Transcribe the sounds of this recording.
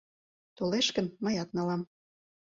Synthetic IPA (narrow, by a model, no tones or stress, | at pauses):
t̪oleʃkə̆nməjɑt̪nɑlɑm